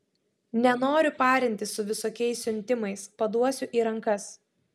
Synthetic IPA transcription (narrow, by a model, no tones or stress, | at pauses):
nʲɛnoːɾʲʊpɑːɾʲɪnʲt̪ʲɪsʊʋʲɪsoːkʲɛɪsːʲʊnʲt̪ʲɪmɐɪspɐd̪uɔsʲʊʔiːɾɐŋkɐs